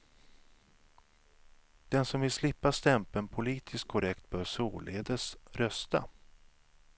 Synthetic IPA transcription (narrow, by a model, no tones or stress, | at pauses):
d̪̥ɛnsɔmvɪlslɪpːast̪ɛmpənpʰʊliːt̪ʰɪskkʰɔɾɛkt̪̚bœːɾsuːleːd̪əsɾœst̪a̰